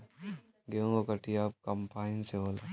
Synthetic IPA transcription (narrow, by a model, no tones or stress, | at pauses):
ɡeõɡokəʈʰiaːp̚kɐmpaːɪnseɦoːla